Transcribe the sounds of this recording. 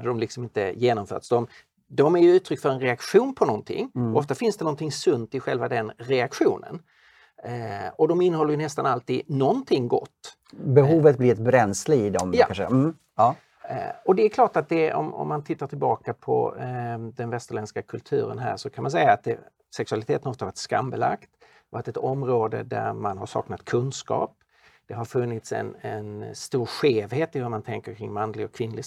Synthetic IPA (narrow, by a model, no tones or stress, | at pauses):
d̪əd̪ɔmlɪksɔmɪnt̪ə̰jeːnɔmfœ̰ːʈ̪sd̪ɔm | d̪ɔmæɾjɵʉ̟ːt̪ʰɾʏkːfœɾɛnɾɛakɧuːnpʰɔnɔnt̪ʰɪ̰ŋːʔɔft̪afɪnsd̪ɛnɔnt̪ʰɪŋsɵnd̪ɪɧɛlvad̪ɛnɾɛakɧṵːnə̰n | ɔd̪ɔmɪnːəhɔlːəɾjɵnɛst̪analt̪iːd̪nɔnt̪ʰɪŋːɡɔ̰t̪ː | bɛɦuːvət̪blɪɛt̪̚bɾɛnslɪɡɪd̪ɔmja̰aʂə | ɔd̪ɛæɾkʰlɑːʈat̪̚d̪ɛɔ̰mɔ̰mːant̪ʰɪt̪ːaʈʰɪlbɑːkapʰɔ̰ | d̪ɛnvɛst̪əɾɭɛnskakʰɵlt̪ʰʉ̟̰ːɾə̰nɦæ̰ːʂɔkʰanmansɛjːaːt̪̚d̪ɛ | sɛksɵalɪt̪ʰeːt̪nɔft̪ahvaska̰mbɛla̰kt̪ | vat̪ɛt̪ɔmɾoːd̪ə̰d̪æ̰ɾmanɦaɾʂɑ̰ːknat̪kʰɵnskɑ̰ːp̚ | d̪̥ɛɦaɾfɵnːɪt̪sɛ̰nɛnst̪uːɾɧeːvhɦeːt̪ɪhɵmant̪ʰɛŋkəɾkʰɾɪŋmanːlɪɡɔkʰvɪnːlɪ